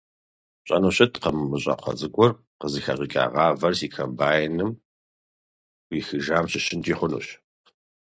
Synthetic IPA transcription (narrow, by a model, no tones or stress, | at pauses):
ɕʼɐ̰nuɕɐtʰqɐmɨmɨɕʼɐ̰qʷɐ̰zʼɨkʷʼɔr | qəzɨxɐʁikʼa̰ːʁɑːvɐrsiːkʰɐmbaːjnɨm | wixɨʒaːmɕɪɕɪntʰʼiːχʷʊnṵːɕ